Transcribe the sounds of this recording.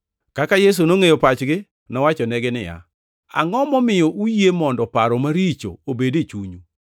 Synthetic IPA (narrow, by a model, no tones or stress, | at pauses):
kakajes̬unoŋejopat͡ʃɡɪ | nɔwat͡ʃɔnɛɡɪnɪ̰ja̰ | a̰ŋɔmɔmɪjɔʔujemɔndɔpaɾɔmaɾit͡ʃo̰obedet͡ʃuɲu